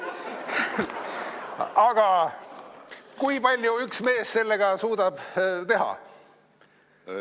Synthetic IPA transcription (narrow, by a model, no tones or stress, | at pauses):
ɑɡ̥ɑ | kujpɑlʲjuyksme̞ːsse̞lːe̞ɡ̥ɑsuːd̪̥ɑb̥t̪e̞ɦɑ̰